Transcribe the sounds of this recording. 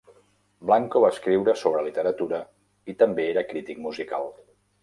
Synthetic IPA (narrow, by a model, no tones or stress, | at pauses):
blaŋkoβaəskɾiwɾəsoβ̞ɾəlit̪əɾət̪uɾə | it̪əmbeeɾəkɾit̪ik̚muzika̰lˠ